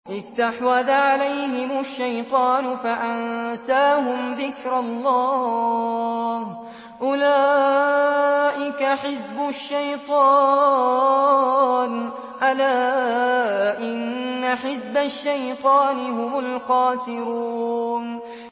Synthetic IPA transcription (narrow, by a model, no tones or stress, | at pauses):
ʔɪst̪aħwaðaʕalajɦɪmaʃːajt̪ˤɑːnʊfaʔansaːɦʊmðɪkɾɑlːɑː | h | ʔʊlaː | ʔɪkaħɪsbʊʃːajt̪ˤɑː | n | ʔalaː | ʔɪnːaħɪsbaʃːajt̪ˤɑːnɪɦʊmʊlqɑːsɪɾuːn